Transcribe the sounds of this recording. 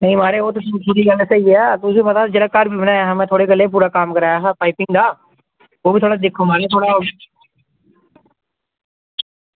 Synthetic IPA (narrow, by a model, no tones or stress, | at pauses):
nəĩːmaːɾeːoːt̪eːtːpuːɾiːɡəlːsaːieɛːt̪ʊsĩːpət̪aːd͡ʒelaːkːəɾbiːbənaːaːɦãːmɛ̃ːt̪ʰoːɽeːkəlːeːp̬uːɾaːkaːmkəɾaːjaːɦɛːpaːipɪŋɡd̪aː | oːbiːt̪ʰoːɽaːd̪ɪkʰːoːmaːɾeːt̪ʰoːɽaːɦoːɡe